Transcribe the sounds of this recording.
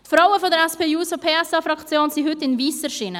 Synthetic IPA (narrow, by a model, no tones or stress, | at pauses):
tfɾawəfɔdəɾɛspʰeːjuːsopʰeːɛsɑfɾɑkt͡sjoːnsihʏtɪnviːsəʃɪnə